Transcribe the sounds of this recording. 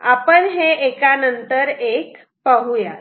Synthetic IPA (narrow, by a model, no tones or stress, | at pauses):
apəɳɦeekanənt̪əɾek | pəɦuja̰